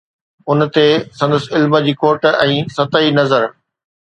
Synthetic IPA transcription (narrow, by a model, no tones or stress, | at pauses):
ʊnt̪esɐ̃nd̪əsɪlməd͡ʑiːkoːɾʈɛ̃ːsɐt̪əinɐzəɾ